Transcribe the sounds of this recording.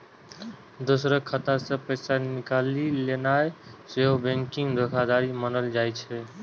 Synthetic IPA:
d̪ʊsɾəkʰət̪asə̃pəːsanɪkaːlileːnaːeseobẽŋkɪ̃ŋɡd̪ʱokʰad̪aːɾimənəld͡ʒaːit͡ʃʰɛ

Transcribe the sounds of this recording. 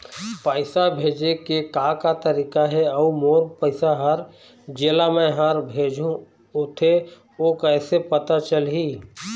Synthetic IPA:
pəɪsabʱeːd͡ʒekekakat̪əɾiːkaɦɛɐumoːɾpəɪsaɦəɾ | d͡ʒeːlamẽɦəɾbʱeːd͡ʒʱũ | ʊt̪ʰe | oːkɛːsepət̪at͡ʃəlɦiː

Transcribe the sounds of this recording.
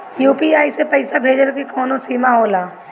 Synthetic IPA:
juːpiaːisepɐɪsabʱeːd͡ʒəlkekɔːnõsiːmaɦoːlaː

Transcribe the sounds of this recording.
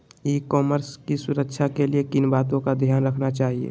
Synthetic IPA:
iːkɔːməɾskisʊɾəkʃʰakeliekɪnbaːt̪õkad̪ʱjaːnɾəkʰnat͡ʃaːɦiḛː

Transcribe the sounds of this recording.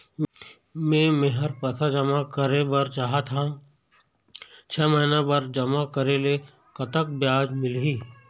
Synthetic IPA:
mẽmeɦəɾpɐsad͡ʒəmakəɾebɐɾt͡ʃaɦat̪ɦã | t͡ʃʰɛːməinabəɾd͡ʒəmakəɾele | kət̪ək̚bjaːd͡ʒmɪlɦiː

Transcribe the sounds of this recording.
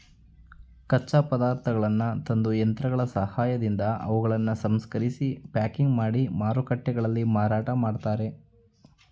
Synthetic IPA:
kɐt͡ʃːaːpɐd̪aːɾt̪ʰɐɡɐɭɐnːut̪ɐnd̪ujɐnt̪ɾɐɡɐɭɐsɐhaːjɐd̪ind̪ɐʔɐ̰ʋuɡɐɭɐnːusɐmskɐɾisipaːkiŋɡmaːɽimaːɾukɐʈːɛɡɐɭɐlːimaːɾaːʈɐmaːɖt̪aːɾe̞

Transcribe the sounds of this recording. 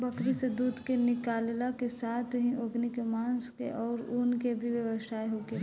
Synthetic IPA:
bɐkɾised̪uːd̪ʱkenɪkaːllakesaːt̪ʰɦĩʔoːɡnikemãːnskḛʔɔːɾuːnkebʱiʋjɐʋəʃaːeɦoːɡe

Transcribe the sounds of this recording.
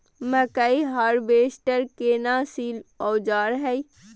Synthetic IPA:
məkaiɦaːɾbeːsʈəɾkeːnaːsiːlɔːd͡ʒaːɾɦɛi

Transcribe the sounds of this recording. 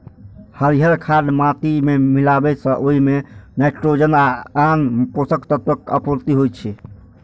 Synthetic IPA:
həɾiɦəɾkʰaɖmãt̪imemilabɛsə̃ʔoɦimenɛʈɾod͡ʒənaanposəkt̪ət̪ək̚ə̰puɾt̪iɦojt͡ʃʰɛ

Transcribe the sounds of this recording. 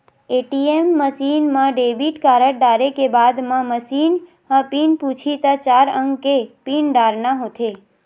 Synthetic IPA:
eʈiemːəʃinmãɖebiʈkaɾəʈ̚ɖaɾekebad̪mãməsin | hãpinpũt͡ʃʰit̪at͡ʃaɾə̃ŋɡkepinɖaɾnaɦot̪ʰe

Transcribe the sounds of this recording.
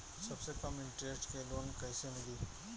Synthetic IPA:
sɐbsekɐmɪ̃ɳʈɾeːsʈkeloːnkɐːsenɐɡiː

